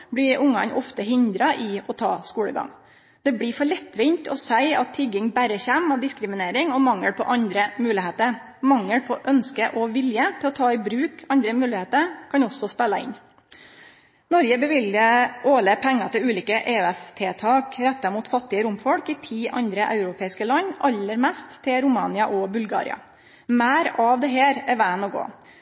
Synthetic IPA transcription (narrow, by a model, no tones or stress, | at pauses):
bɽɪɾʊŋːɑ̰nʔɔ̰ft̪əɦɪnd̪ɾɑʔɪɔt̪ʰɑ̰ːskuːɽə̰ɡɑ̰ŋ | d̪ɛbɽɪfɔɭɛt̪ːʋɪnt̪ɔ̰sæɪɑt̪ʰːɪɡːɪŋbæɾəçæmɑʋd̪ɪskɾɪmɪneːɾɪŋɔmɑŋːəɽpʰɔ̰ʔɑnd̪ɾəmʉːlɪɦeːt̪əɾ | mɑŋːəɽpʰɔʔœnskəʔɔʋɪljət̪ʰɪlɔt̪ʰɑːɪbɾʉːkɑnd̪ɾəmʉːlɪheːt̪əɾkʰɑnɔsɔspɛlːɑɪ̰n | nɔɾɡəbəʋɪljəoːləpʰɛŋːɑt̪ʰɪlʉːliːkəʔeːʉɛst̪ʰeːt̪ʰɑːkɾɛt̪ːɑmuːt̪fɑt̪ːɪəɾʊmfɔɽkɪt̪ʰiːʔɑ̰nd̪ɾəʔɑ̰ʉɾʊpʰeːɪskəlɑnːʔɑlːəɾmɛst̪ʰːɪɾʊmɑ̰ːnɪɑʔɔbʉlɡɑ̰ːɾɪ̰ɑ̰ | mæːɾɑʋd̪ɛɦeːɾɛɾʋæːnɔɡo̰ː